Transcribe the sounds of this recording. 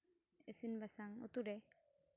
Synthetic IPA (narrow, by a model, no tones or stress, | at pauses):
esinbasaŋo̰t̪uɾe